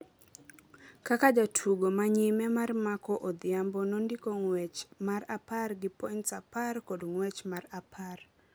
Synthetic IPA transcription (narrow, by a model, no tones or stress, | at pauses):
kakad͡ʒatʰuɡomaɲimɛmarmakɔʔod̪ɪambɔnondikoŋwɛt͡ʃmaɾaparɡɪpɔnsaparkodŋwɛt͡ʃmarapʰar